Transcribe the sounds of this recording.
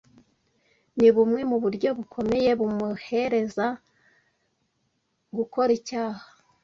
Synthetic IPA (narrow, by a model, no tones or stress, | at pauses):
niβumŋe̞muβuɾɟo̞βukʰo̞me̞je̞βumuhe̞ɾe̞za | ɡuko̞ɾicaːhḁ